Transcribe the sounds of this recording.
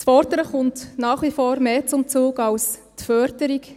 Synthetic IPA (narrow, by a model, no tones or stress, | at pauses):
sfɔɾdəɾəχʊntnɑːχʋifoːɾmeːt͡sʊmt͡suːɡɑwstfœɾdəɾik